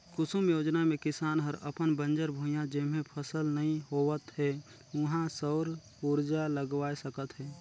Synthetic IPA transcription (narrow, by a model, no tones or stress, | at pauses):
kʊsumjoːd͡ʒnamẽkɪsaːnɦəɾə̰pənbə̃nd͡ʒəɾbʱũjãd͡ʒemẽpʰəsəlnɐĩɦoʋət̪ɦɛ | ʊɦãsɔːɾ | uɾd͡ʒaləɡwaːesəkət̪ɦɛː